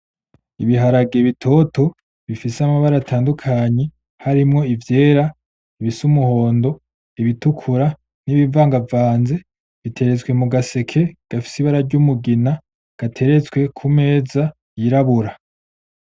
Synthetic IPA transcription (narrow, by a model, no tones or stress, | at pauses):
iβiɦaɾaɡeβitʰo̞to̞ | βifisamaβaɾatʰaːndukʰaːɲe̞ | haɾimŋo̞ivje̞ːɾa | iβisumuho̞ːndo̞ | iβitukʰuɾa | niβiɱvaːŋɡavaːnze̞ | βitʰe̞ɾe̞t͡swe̞muɡase̞kʰe̞ɡ̥afi̥siβaɾaɾɟumuɡina | ɡ̥atʰe̞ɾe̞t͡sɡwe̞kʰume̞ːza | jiɾaβuɾa